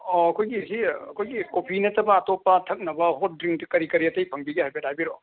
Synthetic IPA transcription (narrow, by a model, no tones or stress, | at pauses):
ɔɐkʰojɡisiɐkʰojɡikopʰinɐtʰɐbɐːtopːɐtʰɐk̚nɐbɐɦot̚dɾiŋtkɐɾikɐɾiɐtɐjpʰɐŋbiɡɐɦajbetʰajbiɾo